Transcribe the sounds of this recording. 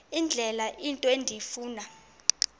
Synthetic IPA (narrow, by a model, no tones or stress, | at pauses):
ind͡ɮʱɛlaʔintʼɔendʱiifuːna